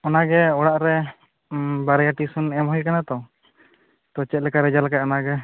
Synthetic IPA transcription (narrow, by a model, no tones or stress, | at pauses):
ɔnaɡɛɔɽaʔɾɛ | baɾɛjaʈisunɛmɦɔjkanat̪ɔ | t̪ɔt͡ʃɛt̪̚lɛkaɾɛd͡ʒalakaɔnaɡɛ